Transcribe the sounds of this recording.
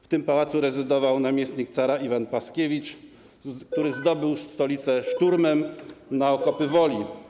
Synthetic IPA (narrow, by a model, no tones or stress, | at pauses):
ft̪ɘmpawat̪suɾɛzɘd̪ɔvawnamʲjɛst̪ɲik̚t̪saɾaivanpaskʲevʲit͡ʂ | k̚t̪uɾɘzd̪ɔbɘwst̪ɔlʲit̪sɛʂt̪uɾmɛmnaɔkɔpɘvɔlʲi